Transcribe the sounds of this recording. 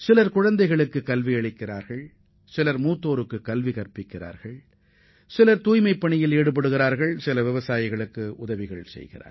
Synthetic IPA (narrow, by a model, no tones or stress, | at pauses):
sɪlɐɾkʊɻɐnd̪ɐɪɣɐɭɯkːɯkːɐlʋiɐɭɪkːɪɾaːɾɣɐɭ | sɪlɐɾmuːt̪ːoːɾɯkːɯkːɐlʋikɐɾpɪkːɪra̰ːɾɣɐɭ | sɪlɐɾt̪uːjmɐɪpːɐɳɪjɪleːɽɯp̬ɐɽɯɣɪɾaːɾɣɐɭsɪlɐʋɪʋɐsaːjɪɣɐɭɯkːɯʔʊ̰ðɐʋɪɣɐɭsɛ̰jɣɪ̰ra̰ːɾ